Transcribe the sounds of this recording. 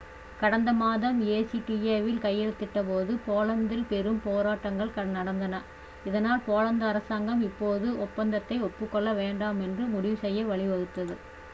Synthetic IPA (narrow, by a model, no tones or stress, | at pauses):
kɐɽɐnd̪ɐmaːðɐmeːsiʈieːʋɪlkɐjːɛɭɯt̪ːɪʈːɐpoːðɯpoːlɐnd̪ɪlpɛɾɯmpoːɾaːʈːɐŋɡɐɭkɐnɐɽɐnd̪ɐnɐ | ɪðɐnaːlpoːlɐnd̪ɐːɾɐsaːŋɡɐmɪpːoːðɯɔpːɐnd̪ɐt̪ːɐɪɔpːɯkːɔɭːɐʋeːɳɖaːmɛndrɯmʊɽɪʋɯsɛjːɐʋɐɭɪʋɐɣɯt̪ːɐðɯ